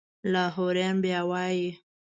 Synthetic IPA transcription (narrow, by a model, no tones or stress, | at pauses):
laːɦoɾanbjawaːji